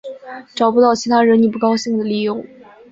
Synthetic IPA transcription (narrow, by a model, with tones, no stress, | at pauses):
ʈ͡ʂɑ˨˩ʊpu˥t̪ɑ˥˩ʊt͡ɕʰi˧˥t̪ʰa˥ɻə˧˥nli˥˩p̬u˥˩kɑ˥ʊɕi˥˩ŋd̪ə˩li˨˩jʊ˧˥˦ŋ